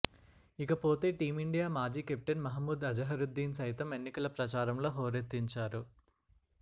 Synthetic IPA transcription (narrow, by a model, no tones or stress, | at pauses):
ikɐpo̞ːt̪e̞ːʈiːmiɳɖijaːmaːd͡ʒiːkep̚ʈɐnmɐɦɐmːuːd̪ɐd͡ʒɐɦɐɾud̪ːiːnsɐjt̪ɐme̞nːikɐlɐpɾɐt͡ʃaːɾɐmlo̞ːɦoːɾet̪ːiɲt͡ʃaːɾu